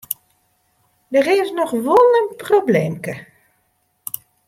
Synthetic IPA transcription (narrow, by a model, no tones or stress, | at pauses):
dərɪːsnɔxʋolˠənprobleːmkə